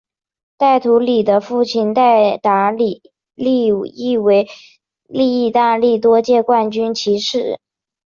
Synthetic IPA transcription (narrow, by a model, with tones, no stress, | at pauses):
t̪a˥˩ɪt̪ʰu˧˥li˨˩d̪ə˦fu˥˩t͡ɕʰi˧˥nt̪a˥˩ɪt̪a˧˥li˨˩ | li˥˧i˥˩we˧˥ɪ | li˥˧i˥˩˧t̪a˥˧li˥˩t̪wɔ˥t͡ɕjɛ˥˧kwa˥˩nt͡ɕy˥nt͡ɕʰi˧˥ʂɻ̩˥˩